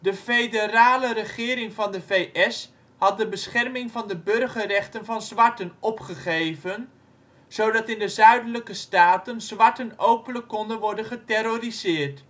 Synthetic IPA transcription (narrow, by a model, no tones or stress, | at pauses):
dəfejdəraːlərəχɪːɾɪŋvɑndəvejʔɛs | hɑt̚dəbəsχɛrmɪŋvɑndəbɵrχərɛχtənvɑnzʋɑɹtənɔpχəχejvən | z̥owdɑtɪndəzœɥdələkəstaːtənz̥ʋɑɹtənowpənləkːɔndənʋɔɹdənχətɛɾorizɪːrt